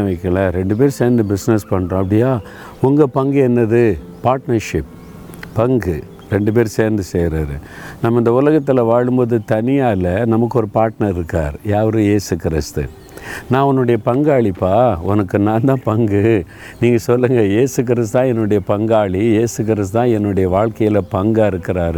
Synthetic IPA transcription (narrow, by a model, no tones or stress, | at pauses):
ʋɐɪkːɐɭɐɾɛɳɖɯp̬eːɾseːɾnd̪ɯbɪsnɛspɐɳːɾõːɐpːɐɽɪjaː | ʊŋɡɐpɐŋɡɯɛnːɐðɯː | aːɾʈnɐɾʂɪp̚ | pɐŋɡɯ | ɾɛɳɖɯp̬eːɾseːɾnd̪ɯseːɾaːɾɯ̰ | nɐmːɐɪnd̪ɐʊlɐɣɐt̪ːɪlɐʋaːɻɯmboːðɯt̪ɐnɪjaːlɐnɐmɐk̬ːɯɔɾɯpaːɾʈnɐɾɪɾɯkːɾa̰ːɾjaːʋɐɾɯ̃jeːsɯkɪɾɪst̪ɯ̰ | nãːʊnːɯɽɐjɐpɐŋɡaːɭipːaːɔnɐkːɯnãːnd̪ãːpɐŋɡɯ | niːŋɡɐsɔlːɯŋɡɐjeːsɯk̬ɪɾɪst̪t̪ãːɛnːɯɽɐjɐpɐŋɡaːɭijeːsɯk̬ɪɾɪst̪t̪ãːɛnːɯɽɐjɐʋaːɭkɐjɪlɐpɐŋɡaːɪɾɯkːɪɾaːɾɯ